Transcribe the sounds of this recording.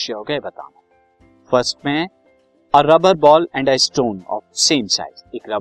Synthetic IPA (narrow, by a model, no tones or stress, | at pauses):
ʃɐɦoɡɐebɐt̪a̰ːnã | fəɾsʈ̚mẽ | əɾɐbəɾbɔːlɛ̃ɳɖaɪsʈõːnɔ̰ːfsẽːmsa̰ɪzeːkɾɐ